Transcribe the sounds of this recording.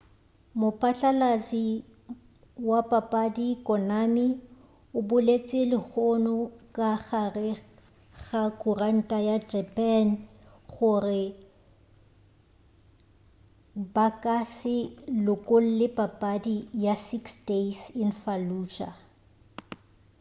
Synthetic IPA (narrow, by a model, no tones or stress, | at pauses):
mʊpʼat͡ɬʼalazi | wapʼapʼadikʼɔnami | ʊbʊlet͡sʼɪlɪɣɔnɔkʼaɣarɪ | ɣakʼʊran̩tʼajad͡ʒɛpʼɛn | χʊrɪ | bakʼasɪlʊkʼol̩lɪpʼapʼadijasiksdesɪnfaluːt͡ʃʼa̰